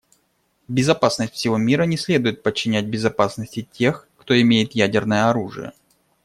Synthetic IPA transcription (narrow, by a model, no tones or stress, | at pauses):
bʲɪzɐpasnəsʲtʲfsʲɪvo̞mʲiɾənʲɪsʲlʲe̞d̪ʊjɪt̪̚pət͡ɕːɪnʲæt̚ʲbʲɪzɐpasnəsʲtʲɪtʲe̞xkt̪o̞ɪmʲejɪt̪jædʲɪrnəjəɐɾuʐɨ̰jə̰